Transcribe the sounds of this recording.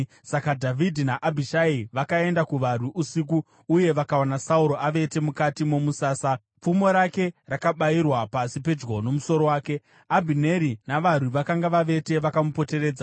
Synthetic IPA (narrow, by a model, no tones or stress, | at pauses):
sakadʱavidʱinaʔabʱiʃaiʋakae̞ndakuʋar̤wiʔusik̬uː | je̞ʋakaonasauɾo̞aʋe̞te̞mukatimo̞musaːsa | p͡fumo̞ɾake̞rakaɓairwapasipe̞d͡ʒɡo̞no̞muso̞ɾo̞waːke̞ | abʱine̞ɾinaʋar̤wiʋakaŋɡaʋaʋe̞te̞ʋakamupo̞te̞ɾe̞ːd͡za